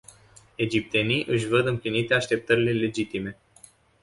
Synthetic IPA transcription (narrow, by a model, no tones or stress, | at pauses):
e̞d͡ʒip̚t̪e̞nijʔɨʃ̬vəd̪ɨmplinit̪e̞aʃt̪e̞p̚t̪əɾile̞le̞d͡ʒit̪ime̞